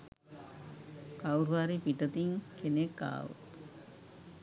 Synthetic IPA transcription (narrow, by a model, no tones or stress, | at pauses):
kawɾuʋaɾipiʈət̪iŋkʰenekːa̰ːʋṵt̪